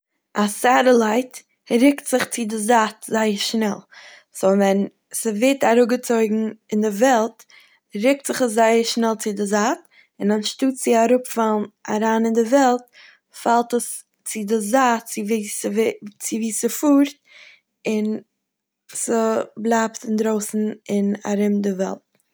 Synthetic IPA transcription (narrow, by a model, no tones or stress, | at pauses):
ʔasaɾəlˠaɪt | ɾɪktz̥ɪχt͡sɪdɪzatzaɪəɾʃnɛlˠ | sovɛn | səvetaɾʊɡət͡soɪɡŋ̩ɪndɪvɛlˠt | ɾɪk̚tz̥ɪχəszaɪəɾʃnɛlˠt͡sɪdɪzat | ɪnanʃtuːtz̥ɪaɾʊpfalˠna̰ɾaːnɪndɪvɛlˠt̚ | falˠtəs | t͡sɪdɪzatt͡sɪvist͡sɪviːsəfuːɾt̚ | ɪn | səblˠaːptɪndɾoʊsn̩ɪna̰ɾɪmdɪvɛ̰lˠt̚